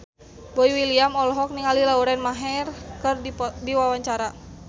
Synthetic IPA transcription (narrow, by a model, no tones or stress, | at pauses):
boiwiliamɔlɔɦɔk̚niŋalilauɾɛnmaɦɛrkɨrdiwawaɲt͡ʃaɾa